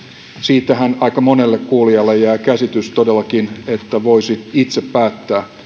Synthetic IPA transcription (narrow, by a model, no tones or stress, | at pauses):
siːt̪ːæhænɑikɑmo̞nelːekkuːliɑlːejæːkæsit̪yst̪odelːɑkinet̪ːæʋoisiit̪seppæːt̪ːæː